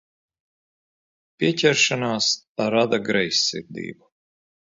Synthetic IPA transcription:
pʲiɛcʲɛɾʃanaːsaɾad̪aɡɾɛjsːḭɾd̪ʲḭːbu

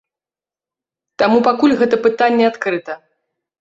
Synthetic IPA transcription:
t̪amupakulʲɣɛt̪ɐpɨt̪anʲːɛat̪kɾɨt̪ɐ

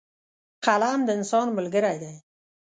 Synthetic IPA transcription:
qʰalamd̪ɪɪnsɔnmʊlɡɪɾajd̪aj

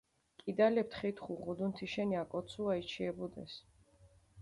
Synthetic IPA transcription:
kʼid̪alɛp̚t̪χit̪ʰχuʁud̪unt̪ʰiʃɛniakʼɔt̪sʰuait͡ʃʰiɛbɔd̪ɛ̰s

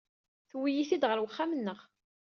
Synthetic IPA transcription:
θwijiθid̪ʁəlwəχːamənːəʁ

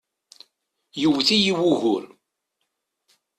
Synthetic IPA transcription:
juvθijiwuɣʊl

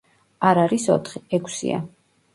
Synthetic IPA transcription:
aɾaɾisɔ̰t̪ʰχiɛkʷʰsḭa̰

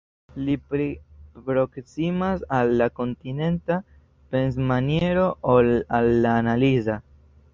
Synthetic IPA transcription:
lipɾipɾo̞ksimasalːako̞ntine̞nta | pe̞ns̬manje̞ɾo̞ʔolalːaːnaliza

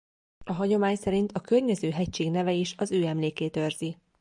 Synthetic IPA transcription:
ɒɦɒɟo̞maːɲsɛɾint̪ɒkørɲɛzøːɦɛct͡ʃeːɡnɛvɛiʃɒzøːɛmleːkeːt̪ø̞rzi

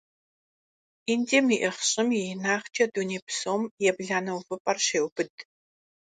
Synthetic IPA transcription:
indeːmiʔɪχɕʼɪmjɛnaːχt͡ʃʼɐduneːpʰsoːmjɛbɮaːnɐwvɨpʼɐrɕeːwbɨdʼ

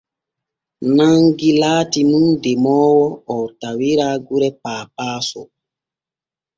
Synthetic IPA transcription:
naŋɡilaːtinundɛmɔːwɔɔwtawiɾaːɡuɾɛpaːpaːsɔ

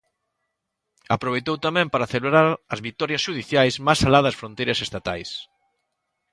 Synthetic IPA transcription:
apɾoβ̞ejt̪owt̪amɛ̃mpaɾaːθeleβɾaɾɐzβit̪ɔɾjɐsʃuðiθjajsmasalaðɐsfɾõnt̪ejɾɐsest̪at̪a̰js

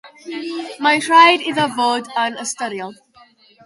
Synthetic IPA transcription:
maɪtʰɹaɪdɪzəvɔːdə̃nəstʌɾiəlˠ

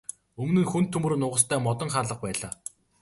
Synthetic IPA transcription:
ɵmnɘ̆ŋxɵnt̪ʰːɵmɵ̆r̆nʊːʁə̆st̪ʰæːmɔt̪ɞ̆ŋχaːɮə̆χ̚pæːɮaː

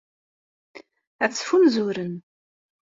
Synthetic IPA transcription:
æt͡sːfumzuɾən

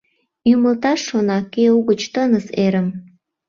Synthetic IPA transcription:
uməlt̪ɑʃːonɑkeuɣət͡ɕt̪ənəseɾəm

